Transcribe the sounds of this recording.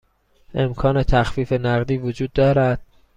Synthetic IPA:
ʔe̞mkʰɒːne̞t̪ʰæxfiːfe̞næɣd̪iːvod͡ʒuːd̪̚ːɒːɾæd̪̥̚

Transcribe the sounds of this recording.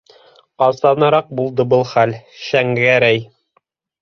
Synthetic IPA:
ɑsˠɑnɑɾɑq̚bulˠd̪ɤbɤlˠχælʃæŋɡæɾæj

